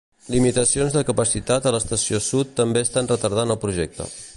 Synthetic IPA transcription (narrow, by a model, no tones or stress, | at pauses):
limit̪əsionzðəkəpəsit̪at̪ələst̪əsiosut̪ːəmbeəst̪anrət̪əɾð̞anəlˠpɾuʒɛk̚t̪ə̰